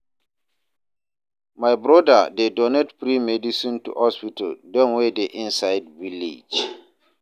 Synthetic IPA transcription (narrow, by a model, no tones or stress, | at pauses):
majbɾɔda̰dedɔnɛtpɾimɛdisĩntṵhɔspitəldɔ̃nwedeʔĩnsaɪdvilḭd͡ʒ